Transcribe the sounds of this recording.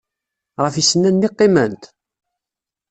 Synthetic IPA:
ʁəfisənːænːɪqːɪmənt̪

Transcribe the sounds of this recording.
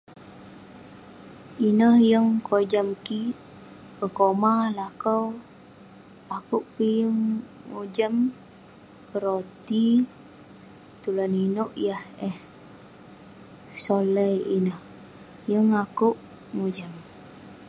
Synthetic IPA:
inəhjəŋkod͡ʒamki | pəkomalakəw | akuʔpijəŋmud͡ʒəm | pəɾot̪i | t̪ulaninuʔjahɛh | soləjḭnəh | jəŋakuʔ | mud͡ʒəm

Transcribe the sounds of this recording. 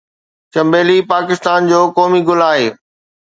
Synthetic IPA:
t͡ɕɐ̃mbeːlipaːkɪst̪aːnd͡ʑoːkɔːmiɡʊlaːɦeː

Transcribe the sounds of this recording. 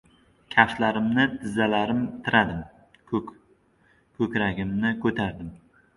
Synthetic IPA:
kʲʰaʃlaɾɪmnɪt̪ʰɪzːalaɾɪmt̪ʰɪɾʔad̪ɪm | kʰɵkʲɾaɡʲɪmnɪkʰɵt̪ʰaɾd̪ɪm

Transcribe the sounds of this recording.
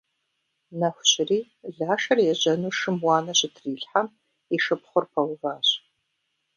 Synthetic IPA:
nɐxʷʊɕɪriː | ɮaːʃɐrjɛʑɐnuːʂɨmwɑːnɐɕɪtʰriːɬħam | iʃɨpχʷʊrpʰɐwʊvaːɕ

